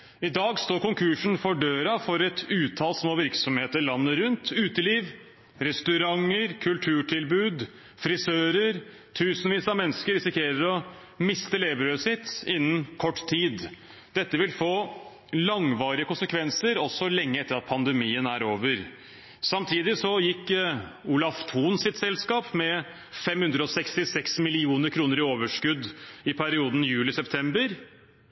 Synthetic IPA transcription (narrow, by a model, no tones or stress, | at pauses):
ɪd̪ɑːɡst̪oːɾkʊŋkʰʉʂn̩fɔɖøːɾɑfɔɾɛt̪ʉːt̪ʰɑːlsmoːʋɪɾksɔmheːt̪əɾlɑnːəɾʉnt̪ʉːt̪əliːʋ | ɾɛst̪ʉɾɑŋəɾkʰʉlʈ̪ʰʉːʈʰɪlbʉːd̪ | fɾɪsøːɾəɾ | t̪ʰʉːsnʋiːsɑmɛnːəskəɾɪsɪkʰeːɾəɾɔ | mɪst̪əleːbɾøːsɪt̪ːɪnːənkʰɔʈːt̪ʰiːd̪ | d̪ɛt̪ːəʋɪlfoː | lɑŋʋɑːɾɪəkʊnsəkʰʋɛnsəɾɔsːɔlɛŋːəɛt̪ːəɾɑt̪̚pʰɑnd̪əmiːənæɾoːʋəɾ | sɑmt̪ʰiːd̪ɪsɔjɪkːuːlɑft̪ʰuːnsɪt̪sɛlskɑːpmɛ | fɛmhʉnd̪ɾəɔsɛkst̪ɪsɛksmɪlɪuːnəɾkʰɾuːnəɾɪoːʋəʂkʉd̪ːɪpʰæɾɪuːd̪n̩jʉːlɪsɛpt̪ʰɛmbəɾ